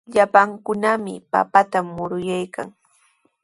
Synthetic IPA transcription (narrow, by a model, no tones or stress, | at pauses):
ʎapaŋkʊnamɪ̰pa̰pat̪amːʊɾʊjajka̰ŋ